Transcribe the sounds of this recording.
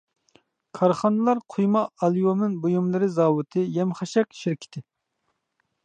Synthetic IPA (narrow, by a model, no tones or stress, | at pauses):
kʰɑɾχɑnɨlˠɑɾqʰujmɑːlˠijomnɨnbujumlˠɨɾɪzɑːwɨt̪ʰɨjɛmχɑʃɛk̚ʲʃɪɾkʲʰɪ̥t̪ʰɪ